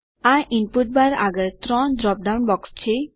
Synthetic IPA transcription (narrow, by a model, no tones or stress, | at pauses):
ajʔinpuʈ̚baɾa̰ɡəɾt̪ɾɔndɾɔp̚ɖawnbɔkst͡ɕʰe